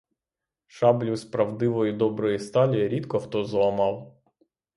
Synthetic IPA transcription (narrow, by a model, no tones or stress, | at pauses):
ʃɑblʲuspɾɐwd̪ɪʋɔjid̪ɔbɾɔjist̪ɑlʲijɐɾʲit̪kɔxt̪ɔzlˠɐmɑw